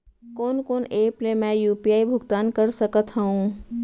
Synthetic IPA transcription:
koːnkoːneplemɛ̃jupiaibʱuɡt̪ankəɾsəkət̪ɦəũ

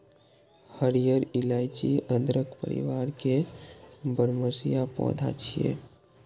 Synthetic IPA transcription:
həɾijəɾilajt͡ʃiʔə̃d̪ɾəkpə̰ɾḭʋaɾke | bəɾməsijapɔ̰̃d̪ʱa̰t͡ʃʰijḛ

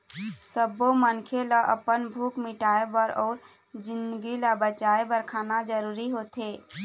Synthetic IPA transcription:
səbomənkʰeləʔə̰pənbʱukmiʈaebəɾɔːɾ | d͡ʒind̪ɡiləbət͡ʃaebəɾkʰanad͡ʒəɾuɾiɦot̪ʰe

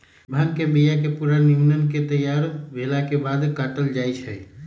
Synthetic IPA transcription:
bʱankebijakepuɾaniunənket̪əjaɾbʱelakebad̪kaʈəld͡ʒajt͡ʃʰəj

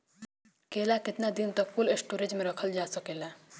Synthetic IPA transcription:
keːlakɪt̪nad̪int̪əkfulesʈoːɾed͡ʒmẽɾəkʰəld͡ʒaːsəkela

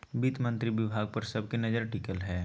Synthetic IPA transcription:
bit̪mɐ̃nt̪ɾiʋɪbʱaːɡ̚pɐɾsɐb̚kenɐd͡ʒəɾʈikəlɦɛː

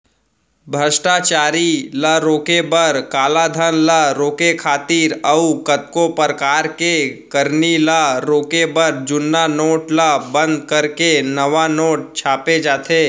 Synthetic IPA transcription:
bʱəʃʈat͡ʃaːɾilaɾoːkebəɾkaːlad̪ʱənlaɾoːkekʰaːt̪iːɾəukət̪̚kopəɾkaːɾkekəɾnilaɾoːkebəɾd͡ʒʊnːanoːʈlabə̃nd̪̚kəɾkenəʋanoːʈ̚t͡ʃʰaːped͡ʒaːt̪ʰeː

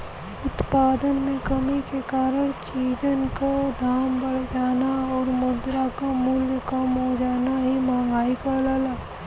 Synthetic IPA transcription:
ʊt̪paːd̪ənmẽkəmikekaːɾəɽ̃t͡ʃiːd͡ʒənkod̪ʱaːmbəɽ̤d͡ʒaːnaɔːɾmʊd̪ɾakamʊljkamɦod͡ʒaːnaɦimãːŋɡaːikalaːlaː

